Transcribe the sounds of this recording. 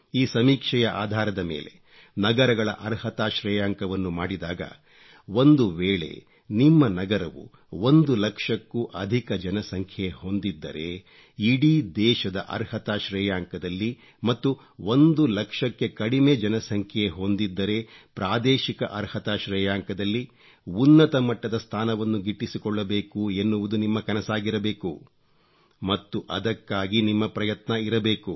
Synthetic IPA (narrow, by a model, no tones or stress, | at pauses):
iːsɐmiːkʂɐjɐʔaːd̪ʱaːɾɐd̪ɐmḛːle̞̰ | nɐɡɐɾɐɡɐɭɐ̰ʔɐɾhɐt̪aːʃɾɛːjaːŋkɐʋɐnːumaːɽid̪aːɡɐ̰ | o̞nd̪uʋeːɭe̞̰ | nimːɐnɐɡɐɾɐʋṵ | o̞nd̪ulɐkʂɐkːuʔɐd̪ʱikɐd͡ʒɐnɐsɐŋkʰjeho̞nd̪id̪ːɐ̰ɾe̞ | iɽid̪ɛːʃɐd̪ɐʔɐ̰ɾhɐt̪aːʃɾɛːjaːŋkɐd̪ɐlːi | mɐt̪ːu | o̞nd̪ulɐkʂɐkːe̞kɐɽime̞d͡ʒɐnɐsɐŋkʰjeɦo̞nd̪id̪ːɐɾe̞pɾaːd̪ɛːʃikɐʔɐɾhɐt̪aːʃɾɛːjaːŋkɐd̪ɐlːi | unːɐt̪ɐmɐʈːɐd̪ɐst̪ʰaːnɐʋɐnːuɡiʈːisikɔɭːɐbe̞ːkue̞nːuʋud̪unimːɐkɐnɐsaːɡiɾɐbeːku | mɐt̪ːuʔɐd̪ɐkːaːɡinimːɐpɾɐjɐt̪nɐiɾɐbeːku